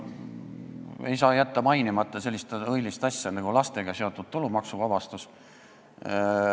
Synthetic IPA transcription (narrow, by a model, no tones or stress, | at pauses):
e̞̰jsɑːjæt̪ːɑmɑjnimɑt̪ːˑɑse̞lʲːist̪ɤjlist̪ɑsʲjɑnɑɡ̥ulɑst̪e̞ɡ̥ɑse̞o̞t̪ːˑud̪̥t̪ulumɑksuvɑbɑst̪us